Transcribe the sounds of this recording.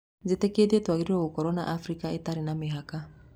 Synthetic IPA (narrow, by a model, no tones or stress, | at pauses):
zet̪eked̪iet̪uaɡiɾiɾoɡukoɾonaʔafɾikaet̪aɾinameɦaka